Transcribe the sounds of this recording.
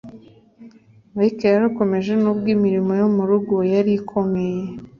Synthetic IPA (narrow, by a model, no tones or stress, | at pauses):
βaikejaɾuko̞me̞ʒe̞noβɡiːmiɾimojomuɾuɡojaɾikʰo̞me̞je